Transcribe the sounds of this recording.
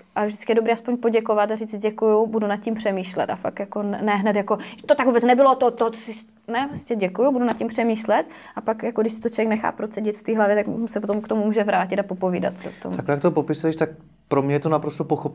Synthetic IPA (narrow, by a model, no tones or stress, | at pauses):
ʔavʒdɪ̥tt͡skɪjɛdobɾiːaspoɲpo̞ɟɛkovat̪ariːt͡sɟɛkujubudunat̪̚cimpr̝̥ɛmiːʃlɛ̰t̪afa̰kjakonɛɦnɛt̪jako̞ʒt̪ot̪aɡvuːbɛt͡snɛbɪlot̪ot̪ːoɦot͡so̥sɪ | nɛpɾoscɛɟɛkujʊbudunat̪̚cimpr̝̥ɛmiːʃlɛt̪ | ʔapakjakodɪʃsɪ̥t̪ot͡ʃovjɛknɛxa̰ːpɾosɛɟɪt̪ft̪iːɦlavjɛt̪aksɛpot̪omkt̪o̞mumuːʒɛvɾaːcɪt̪apo̞poviːda̰t̪sɪ̰o̰t̪o̰maklɛjakt̪opopɪsuɛʃt̪ak̚ | pɾomɲɛjɛt̪onapɾost̪opoxop